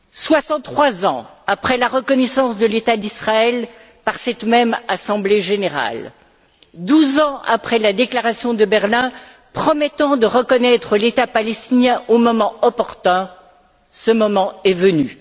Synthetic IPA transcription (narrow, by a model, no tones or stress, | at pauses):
swasɑ̃χwazɑ̰̃ | apχɛlaʁəkɔnɛsɑ̃sd̪əlet̪ad̪isχaɛl | paʁsɛt̪mɛmasɑ̃bleʒeneʁa̰l | d̪uzɑ̃a̰pχɛlad̪eklaʁasjɔ̃d̪əbɛʁlɛ̃ | pχɔmɛt̪ɑ̃d̪əʁəkɔnɛt̪χəlet̪apalɛst̪injɛ̃ʔomɔmɑ̃ɔpɔʁt̪ɛ̃ | səmɔmɑ̃ɛvəny